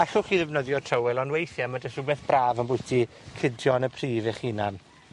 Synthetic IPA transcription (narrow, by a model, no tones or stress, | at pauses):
aɬʊχiːðɛvnəðjɔtʰrəwɛlˠɔnwejθjamadəsʊbɛθb̥raːvənbʊɨtʰi | kʰɪdjɔnəpʰriːvɪχinan